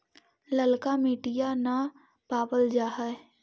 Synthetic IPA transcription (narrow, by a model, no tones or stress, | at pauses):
ləlkamiːʈijana | paːbəld͡ʒaːɦɛ